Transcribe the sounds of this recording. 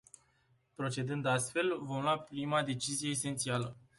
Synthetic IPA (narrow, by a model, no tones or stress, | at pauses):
pɾo̞t͡ʃe̞d̪ɨnd̪ast̪fe̞lvo̞mlwapɾimad̪e̞t͡ʃizije̞ːse̞nt̪sialə